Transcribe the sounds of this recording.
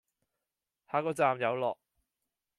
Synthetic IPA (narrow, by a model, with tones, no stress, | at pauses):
haː˨˧kɔː˧t͡saː˨mjɐ˨˧wlɔː˨k̚